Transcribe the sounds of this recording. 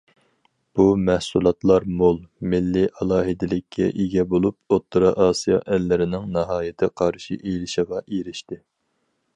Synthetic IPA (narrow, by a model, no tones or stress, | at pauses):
b̥umɛhsulˠɑt̪lˠɑɾmolˠmɪlːiʔɑlˠɑːɦɪd̪ɪlɪkʲʰːɛ̰ʔeɡʲɛbolˠup̚ot̪ʰːɨɾɑʔɑːsijɑ̰ʔɛlːɪɾɪnɪŋnɑɦɑːjɪt̪ʰɪqʰɑɾʃḭʔejlɪʃɪʁɑʔeɾɪʃt̪ɪ